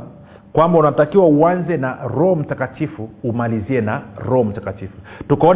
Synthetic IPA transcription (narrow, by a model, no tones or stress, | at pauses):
kwambaunatakiwauanzɛnaɾɔhɔm̩takatifuumaliziɛnaɾɔhɔm̩takatifutukaɔn